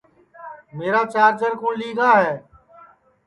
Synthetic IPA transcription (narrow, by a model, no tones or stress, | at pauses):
meːɾaːt͡ʃaːɾd͡ʒəɾkũːliːɡaːɦɛː